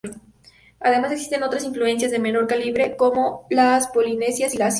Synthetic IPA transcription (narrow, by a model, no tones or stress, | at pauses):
aðe̞maseksi̥st̪e̞no̞t̪ɾasinflue̞ns̬jazðe̞me̞no̞ɾkaliβɾe̞ko̞mo̞laspo̞line̞sjasilas